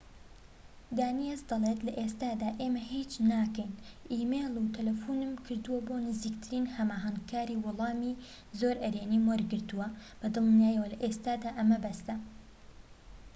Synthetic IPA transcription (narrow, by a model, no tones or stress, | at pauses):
d̪aːnijezd̪ɐlˠet̪lɐʔest̪aːd̪aːʔeːmɐhit͡ʃnaːkɐjnʔiːmelˠut̪ʰɐlɐfuːnɨmkʰɨɾd̪uwɐboːnɨziːkt̪ʰɨɾiːnhɐmaːɦɐŋkʰaːɾiːwʊlˠɑːmiː | zoɾʔɐɾeːniːmɐɾɡɨɾt̪uwɐb̥ɐd̪ɨlˠnjaːjɐwɐlɐʔeːst̪aːd̪aːʔɐmɐbɐst̪ɐ